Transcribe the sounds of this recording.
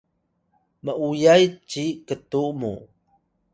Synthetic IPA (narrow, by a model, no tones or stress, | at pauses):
məujajt͡ɕikətumṵ